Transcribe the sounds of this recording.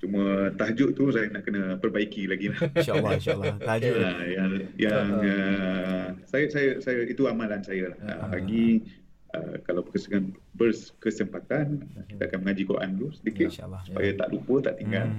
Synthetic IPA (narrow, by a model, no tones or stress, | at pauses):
t͡ʃumə̃t̪aɦd͡ʒʊʔt̪usajənaʔkənə̃pərbaikilaɡilah | aajaŋjaŋə | sajəsajəsajəit̪uamãlansajəlahə̰paɡi | ə̰kalawbəkəsəŋan | bərskəsəmpat̪anki̥t̪aakanməŋad͡ʒikoɾʔa̰nt̪usədikɪt̪su̥pa̰jət̪a̰ʔlupət̪aʔt̪iŋɡal